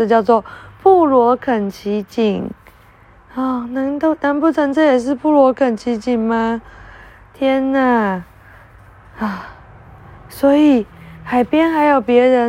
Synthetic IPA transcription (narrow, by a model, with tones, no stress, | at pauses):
ə˥˧t͡ɕjɑ˥˧ʊt͡swɔ˥˧pʰu˥˩lwɔ˧˥kʰə˨˩nt͡ɕʰi˧˥t͡ɕi˨˩ŋ | ɔ˥˩na˧˥ŋt̪o˥˩ʊna˧˥npu˥˩ʈ͡ʂʰə˧˥ŋʈ͡ʂʰə˥˩jɛ˨˩ʂ̬ɻ̩˥˧pu˥˩lwɔ˧˥kʰə˨˩nt͡ɕʰi˧˥t͡ɕi˨˩ŋma˧˦ | t̪ʰjɛ˥nə˨˩ | a˥˩ | swɔ˧˥i˨˩xa˨˩ɪpjɛ˥nxa˧˥ɪjo˨˩ʊpjɛ˧˥ɻə˧˥